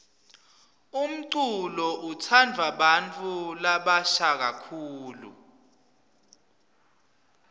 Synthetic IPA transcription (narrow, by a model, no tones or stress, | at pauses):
um̩ǀulɔʔutʰand͡vʱwaɓant͡fʼulaɓaʃak̬akʰuːlṵ